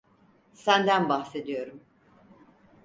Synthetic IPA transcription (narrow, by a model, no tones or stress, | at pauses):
sænd̪ænbaxse̞d̪ijo̞ɾum